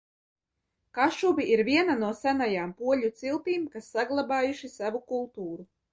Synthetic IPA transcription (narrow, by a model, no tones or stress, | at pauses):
kaʃuviʔiɾvʲiɛnanuɔsænajaːmpuɔʎʲut̪silˠt̪iːmkasːaɡlˠabaːjuʃisavukulˠt̪uːɾu